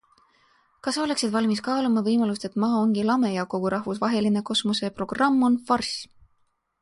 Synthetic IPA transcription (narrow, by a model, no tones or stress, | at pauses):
kɑso̞le̞ksid̪vɑlʲmiskɑːlumɑvɤjmɑlust̪e̞t̪ːmɑːoŋɡ̥ilɑme̞jɑko̞ɡ̥uɾɑhvusvɑɦe̞line̞ko̞smuse̞pro̞ɡ̥rɑmːo̞nfɑrsʲ